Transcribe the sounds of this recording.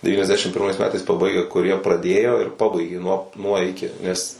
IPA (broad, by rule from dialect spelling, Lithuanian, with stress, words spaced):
dʲɛʋʲiːnʲɛzʲˈdʲæːʃʲɪm pʲɪrˈmɐɪs ˈmʲæːtɐɪs pɐˈbɐɪɡʲæː kʊˈrʲiɛ prɐˈdʲeːjoː ɪr ˈpɑːbɐɪɡʲeː nuɔ nuɔ ˈɪkʲɪ nʲɛs